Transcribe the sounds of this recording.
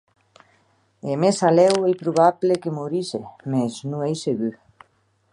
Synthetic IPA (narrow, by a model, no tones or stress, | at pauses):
emesalɛwejpɾuβaβlekemoɾisemesnũŋejseɣy